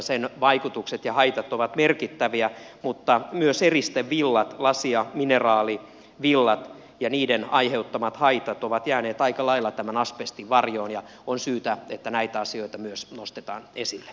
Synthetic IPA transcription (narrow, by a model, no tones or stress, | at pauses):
senʋɑikut̪ukset̪jɑhɑit̪ɑt̪oʋɑt̪merkit̪ːæʋiæ | mut̪ːɑmyøserist̪eʋʋilːɑt̪lɑsiɑminerɑːli | ʋilːɑt̪ | jɑniːdenɑiheut̪ːɑmɑt̪hɑit̪ɑt̪oʋɑt̪jæːneːt̪ɑikɑlɑilːɑt̪æmænɑspest̪iʋʋɑrjoːnjɑ | onsyːt̪æet̪ːænæit̪æɑsioit̪ɑmyøsnost̪et̪ɑ̰ːnesilːe̥